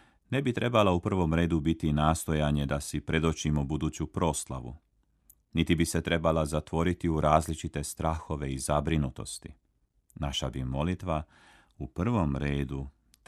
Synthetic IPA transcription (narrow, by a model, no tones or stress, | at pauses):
ne̞bit̪ɾe̞balaupr̩ʋo̞mɾe̞ːd̪ubit̪inaːst̪o̞jaɲe̞d̪asipɾe̞d̪o̞t͡ʃimobud̪uːt͡ɕupɾo̞slˠa̰ʋṵ | nit̪ibise̞t̪ɾe̞balazat̪ʋo̞ɾit̪iuɾaːzlit͡ʃit̪e̞st̪ɾaxo̞ʋe̞izabɾinut̪o̞̰st̪i | naʃabimo̞lit̪ʋa | upr̩ʋo̞mɾe̞ːd̪u